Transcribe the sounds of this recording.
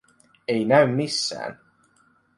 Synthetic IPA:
einæymːisːæ̰ːn

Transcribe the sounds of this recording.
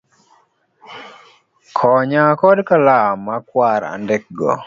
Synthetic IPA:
kʰɔɲakɔdkalamakwaɾa̰ndɛk̚ɡɔ̰

